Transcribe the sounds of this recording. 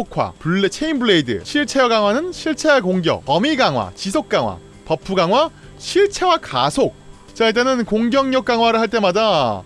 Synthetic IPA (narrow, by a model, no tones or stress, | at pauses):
okʰwa̰puɭt͡ɕʰeimbɯɭe̞idɯ̰ɕʰiɭt͡ɕʰejʌɡaŋwanɯnɕʰiɭt͡ɕʰewekoŋɡjʌ̰ʌmiɡaŋwa̰t͡ɕisʰok̚k͈aŋwa̰ | pʌpʰːuɡaŋwa | ɕʰiɭt͡ɕʰe̞wakasʰok̚ | t͡ɕaɭt̬͈enɯnkoŋɡjʌŋɲʌk̚k͈aŋwaɾɯɭhaɭt͈e̞mada